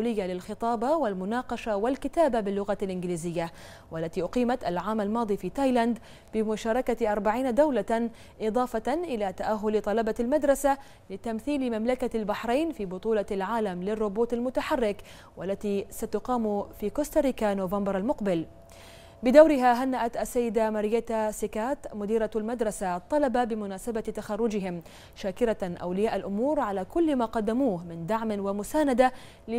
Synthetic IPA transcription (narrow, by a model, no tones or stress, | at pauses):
uːlɪjːalɪlxɨt̪ˤɑːbɑwalmʊnɑːqɑʃawɪlkɪt̪aːbabɪlːʊɣalʔɪnɡliːzɪjːa | wʔalːat̪iːʔʊqiːmat̪alʕaːmalmɑːd̪ˤiːfiːt̪aːjland̪ | bɪmʊʃaːɾˤɑkaʔɑɾˤbaʕiːnad̪awla | ʔɪd̪ˤɑːfɑnʔɪlaːt̪aʔaɦːʊlt̪ˤɑlɑbɑlmad̪ɾˤɑsa | lɪt̪amθiːlmamlakalbaħɾˤejnfiːbʊt̪ˤuːlɑlʕaːlamlɪrˤːʊboːt̪ˤalmʊt̪aħarːɪk | wʔalːat̪iːsat̪ʊqɑːmfiːkoːst̪aɾɪkanoːvambɑɾˤalmʊqbɪl | bɪd̪awɾɪɦaɦanːaʔat̪ʔasːajːɪd̪amaɾɪjeːt̪asɪkaːt̪mʊd̪iːɾɑalmad̪ɾˤɑsat̪ˤːɑlɑbabɪmʊnaːsabat̪axɑrˤːʊd͡ʒɪɦɪm | ʃaːkɪɾaʔa̰wlɪjaːʔalʔʊmuːɾʕalaːkʊlːmaːqɑd̪ːamuːhmɪnd̪aʕmɪnwamʊsaːnad̪a | lɪ